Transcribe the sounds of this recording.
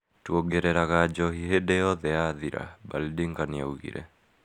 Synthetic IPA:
tuɔɡeɾɛɾaɣad͡ʒɔɦiɦedɛɔðɛaðiɾʔa̰balidiŋɡania̰uɣḭɾʔɛ̰

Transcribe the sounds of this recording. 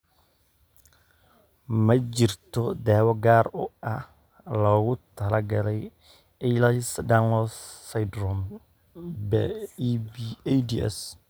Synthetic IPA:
mɐt͡ʃɪrt̪ʰɔd̪ɛːwɔɡaːɾʊɐh | lɐɣʊt̪ʰɐlɐɡɐlɛj | ɛjlɐsd̪anlɔsːɐjdɾɔm | bɛbdiɛ̰s

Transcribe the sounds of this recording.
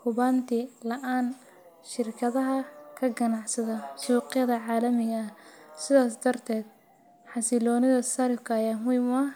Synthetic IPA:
hʊβaːnt̪ʰɪlɐʔaːn | ʃɪrkʰɐðɐɦɐkʰɐɡɐnɑʕsɐðɐsuːqjɐðɐʕɑːlɐmɪɣɐːhsɪðaːs̬d̪ɐrt̪ʰɛːd̪̚ | ħɑsɪlɔːnɪðɐsɐɾɪfkʰɐːjaːmʊjmɐ

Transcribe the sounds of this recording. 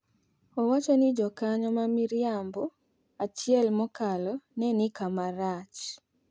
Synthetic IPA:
ɔwat͡ʃɔnɪd͡ʒɔkaɲɔmamiɾjambɔ | at͡ʃjɛlmɔkalɔnɛnɪkamaɾat͡ʃ

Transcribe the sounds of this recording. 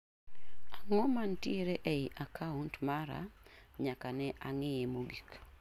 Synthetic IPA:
aŋɔmantieɾeʔɛɪʔakʰauntmaɾa̰ɲakanɛʔaŋɪjemoɡik

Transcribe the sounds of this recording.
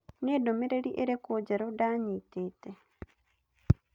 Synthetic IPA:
nedomeɾeɾiʔeɾekod͡ʒaɾodaɲitete

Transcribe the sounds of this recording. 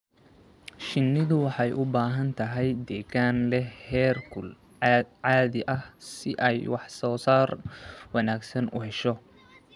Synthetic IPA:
ʃɪnːɪðʊwɑħɑjʔʊbaːɦɐnt̪ʰɐɦɛjd̪ɛːɣaːnlɛhɛːrkʰʊl | ʕɑːðɪʔɐhsɪʔɛjwɑħsɔːsaːrwɑnaːɡsɐnʊ̰hɛʃɔ

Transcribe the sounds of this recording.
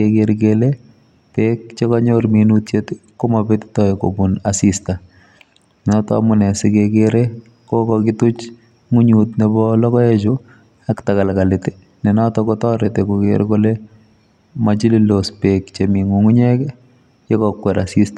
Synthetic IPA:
ekeɾkele | pek̚t͡ʃekɔɲoɾminutt͡ʃetkomabetɪ̥tɔeko̰bunasista | nɔtɔ̰a̰mʊnɛsɪkekeɾe | kokɔkɪtʊt͡ʃ | ŋuɲutnebɔlɔkɔet͡ʃʊ | aktakalkalɪte | nɪnɔtɔkɔtɔɾetekokeɾkole | mat͡ʃililospekt͡ʃemiŋuŋuɲɛk | jekɔkwɛɾasista

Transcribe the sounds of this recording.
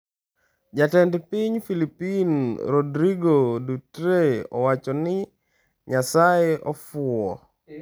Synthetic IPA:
d͡ʒatɛndpiɲfilipinɾɔdɾiɡodutɾeɔ̰wat͡ʃɔnɪ | ɲasajeʔɔfʊɔ

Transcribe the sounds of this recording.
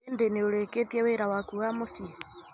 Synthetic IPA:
ndeneoleketieweɾawakuɣamosi

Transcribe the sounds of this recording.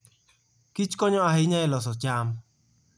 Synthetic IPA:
kit͡ʃkɔɲɔaɦɪɲaɪlɔsɔt͡ʃam̩

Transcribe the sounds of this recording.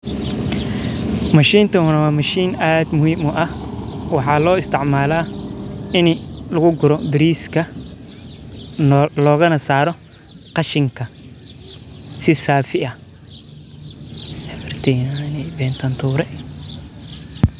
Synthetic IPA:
mɐʃiːnt̪ʰɐhʊnɐwɑːmɐʃiːnaːd̪mʊhiːmʊʔɐhwɑħɑːlɔːɪst̪ʰɪʕmaːlaː | ɪnlɐɣʊɡʊɾɔbɪɾiːskʰɐ | lɔːɣɐnɐsaːɾɔ | qɑʃɪŋkʰɐ | sɪsaːfɪʔɐ | ɛfɐrt̪ʰɛnanɛjbɛːnt̪ʰɐnt̪ʰuːɾɛ

